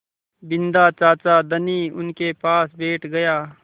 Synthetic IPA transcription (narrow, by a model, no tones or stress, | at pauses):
bɪnd̪aːt͡ʃaːt͡ʃad̪əniːʊnkepaːsbʱeːʈɡɐjaː